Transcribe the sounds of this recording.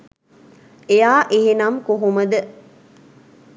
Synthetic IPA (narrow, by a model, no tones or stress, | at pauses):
ejaːʔeɦenamkoɦuməd̪ə